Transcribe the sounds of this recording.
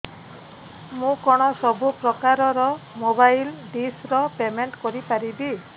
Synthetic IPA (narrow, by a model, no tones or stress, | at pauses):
mũkɔɽ̃ɔsɔbupɾɔkaɾɔɾɔmobajlɖisɾɔpemeɳʈkɔɾipaɾibi